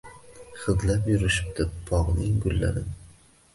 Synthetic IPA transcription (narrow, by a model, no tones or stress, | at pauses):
χɨzlapjʊɾɪʃɪp̚d̪̥ɪbʰɒʁnɪŋɡʊlːa̰ɾɪn